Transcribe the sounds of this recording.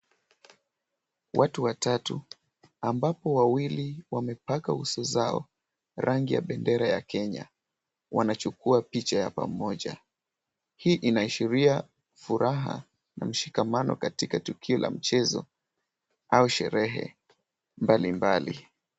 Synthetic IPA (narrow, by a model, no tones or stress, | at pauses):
wʔatuwatatu | ambapɔwawiliwamɛpakausɔzaɔ̰ | ɾʔaŋɡija̰ɓɛndɛɾaja̰kʰɛɲa̰ | wanat͡ʃukuapit͡ʃajapa̰mɔʄa | hiːʔinaiʃiɾia | fuɾaɦa̰ | nam̩ʃikamanɔ̰katikatukʰiɔlʔa̰m̩t͡ʃɛzɔ̰ | auʃɛ̰ɾɛɦɛ̰ | mbalimbalḭ